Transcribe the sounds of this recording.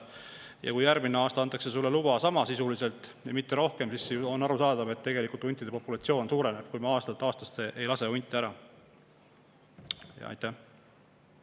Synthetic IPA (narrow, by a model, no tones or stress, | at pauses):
jɑ̰kujjærɡmineɑːst̪ɑɑnt̪ːˑɑkse̞sulːelubɑsɑmɑsisulise̞lt̪ːˑjɑmit̪ːe̞ɾo̞hke̞msisːonːɑɾusɑːd̪̥ɑve̞t̪ːe̞ɡe̞likult̪unʲt̪ːˑid̪e̞po̞pːulɑt̪sio̞ːnsuːɾe̞ne̞b̥̚kujmɑɑːst̪ɑt̪ːˑɑːst̪ɑ̥st̪eʔejlɑse̞unʲt̪ːˑiæɾɑ | jɑ̰ɑ̰jt̪ːæh